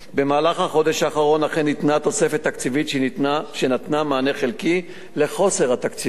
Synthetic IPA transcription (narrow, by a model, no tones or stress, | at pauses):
be̞maːlaχhaχo̞d̪eʃaːχaʁo̞naχenːit̪nat̪o̞sefet̪ːakt͡sivit̪ʃʃenat̪namaːneχelki | le̞χo̞seʁhat̪akt͡si